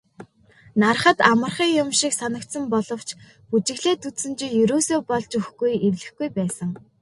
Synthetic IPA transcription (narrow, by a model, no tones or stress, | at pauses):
nar̆χə̆t̪amə̆rχiːŋjʊmʃiksanə̆k̚t̪sə̆mpɔɮɞ̆w̥t͡ɕ | put͡ɕɪ̆ɣɮeːt̪ut̪sɘ̆nt͡ɕĭjɵɾoːsoːpɔɮt͡ɕɵxɡujewɮɘ̆xɡujpæːsə̆ŋ